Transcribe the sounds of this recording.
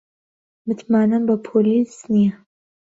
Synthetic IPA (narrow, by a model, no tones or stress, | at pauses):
mɨt̪ʰmaːnɐmbɐpʰoːlisnijɛ